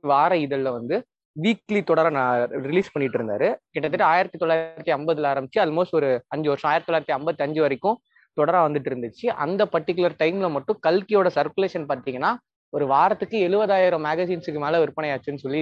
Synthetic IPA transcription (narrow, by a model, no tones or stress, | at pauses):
ʋaːɾɐɪðɐlːɐʋɐnd̪ɯ | ʋiːklit̪ɔɽɐɾanɾɪliːspɐɳːɪʈːɪɾɯnd̪a̰ːɾɯkɪʈːɐt̪̬ːɪʈːaːjɪɾɐt̪ːit̪ɔlːaːjɾɐt̪ːiɐmbɐðɯlaːɾɐmbɪt͡ʃːɯɐlmoːsʈɔɾɯɐɲd͡ʒɯʋɐɾʂaːjɪɾɐt̪it̪ːɔlːaɪɾɐt̪ːiɐmbɐt̪ːiɐɲd͡ʒɯʋɐɾɪkːʊ̃ | t̪ɔɽɐɾaːʋɐnd̪ɯʈːɪɾɯnd̪ɯt͡ʃːɯʔɐ̰nd̪ɐpɐʈːɪkːɯlɐɾʈɐɪmlɐmɐʈːʊ̃kɐlkɪjoːɽɐsɐɾkɯleːʂɐnpaːɾt̪iːŋɡɐnːaː | ɔɾɯʋaːɾɐt̪ːɯkːɯɛɻɯʋɐðaːjɪɾɐ̃maːɣɐsiːnsɯkːɯmeːlɐʋɪɾɯpːɐɳɐjaːt͡ʃːɯnːɯsɔlːi